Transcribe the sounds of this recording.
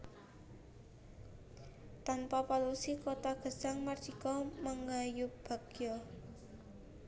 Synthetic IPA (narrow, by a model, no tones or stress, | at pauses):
t̪anpapalusikot̪aɡ̥ə̤̥saŋmarʒ̥ikɔməŋajʊpb̥a̤ɡ̥jɔ